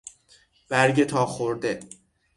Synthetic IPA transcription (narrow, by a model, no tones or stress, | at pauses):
b̥æɾɟet̪ʰɒːxoɾd̪e